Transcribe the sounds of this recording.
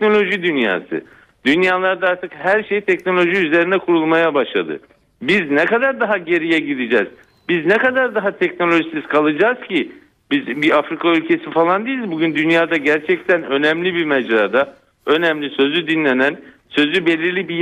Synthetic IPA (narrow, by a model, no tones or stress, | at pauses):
no̞lʲo̞ʒid̪ynja̰ːsɯ̰ | d̪̥ynjaːlˠaɾd̪aaɾt̪ʰɯkhæɾʃejit̪ʰɛcno̞lʲo̞ʒiyze̞ɾinɛkʰuɾulˠmajabaʃlˠa̰d̪ɯ̰ | biznɛkad̪aɾd̪aɦaɟe̞ɾijɛɟid̪id͡ʒɛːz̥ | biznɛkad̪aɾd̪aɦat̪ʰɛcno̞lʲo̞ʒisiz̥kʰalˠɯd͡ʒaːz̥cʰi | bizbiafɾikʰaylʲcʰe̞sifalˠand̪ijilʲzbuɟynd̪ynjaːd̪aɟæɾt͡ʃʰɛct̪ʰænø̞nɛmlʲibimɛd͡ʒɾaːd̪a | ø̞nɛmlʲisø̞zyd̪inlʲenæn | sø̞zybe̞lʲiɾlʲibi